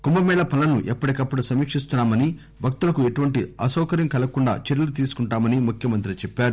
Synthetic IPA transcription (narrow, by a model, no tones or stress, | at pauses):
kumbɐmɛːɭɐpɐlɐnuʔɛpːɐɽikɐpːɐɽusɐmiːkʂist̪unːaːmɐni | bʱɐk̚t̪ulɐkueʈuʋɐɳʈiɐsɔːkɐɾjɐmkɐlɐkuɳɖa̰ːt͡ʃeɾɐlut̪̬iːsu̥kuɳʈaːmɐnimukʰjɐmɐnt̪ɾit͡ʃɛpːaːɾu